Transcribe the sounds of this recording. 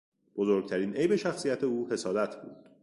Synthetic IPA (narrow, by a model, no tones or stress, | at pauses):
b̥o̞zoɾɡ̚t̪ʰæɾiːnʔe̞jbe̞ʃæxsijæt̪ʰe̞uːhe̞sɒːd̪æt̪ʰb̥ṵːd̪̥